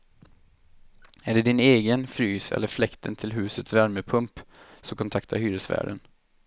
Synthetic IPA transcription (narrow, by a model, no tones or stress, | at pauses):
æːɖɛd̪ɪneːɡənfɾyːsɛ̰lːəɾflɛkt̪ʰənt̪ʰɪlɦʉ̟ːsət̪svæɾməpʰɵmpsɔkʰɔnt̪ʰakt̪ʰa̰ɾhyːɾəsvæ̰ːɖən